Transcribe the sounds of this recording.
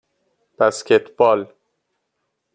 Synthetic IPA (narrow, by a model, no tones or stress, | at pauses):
b̥æscet̪ʰb̥ɒːl